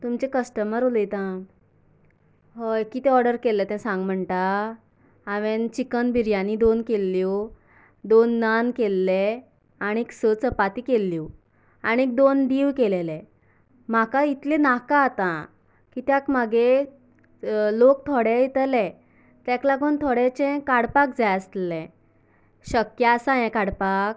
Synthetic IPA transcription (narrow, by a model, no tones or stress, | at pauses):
t̪umt͡ɕekəsʈəməɾoləjt̪ã | ɦokit̪eɔɾɖəɾkelːɛt̪ɛ̃sãŋɡm̤əɳʈaː | ʋent͡ɕikənbiɾjãnid̪onkelːjo | d̪onːankelːɛ | aɽ̃ieksət͡səpat̪ikelːiw | añiek̚d̪ond̪iːʋkelelɛ̃ | m̤akait̪lẽnakaːt̪ã | kit̪jakm̤aɡe | lok̚t̪ʰoɽɛit̪əlɛ̃ | t̪jɛ̃klaɡunt̪ʰoɽɛt͡ɕɛ̃kaɽpakd͡zajəst̪lɛ̃ | ɕəkjasãjɛ̃kaɽpak